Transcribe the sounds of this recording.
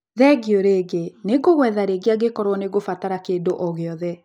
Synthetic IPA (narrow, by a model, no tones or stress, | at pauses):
ðɛɡjoɾeɡeneɡoɣwɛðaɾeɡeaɡekɔɾwɔneɡofataɾakeːndoʔɔɣeɔðɛ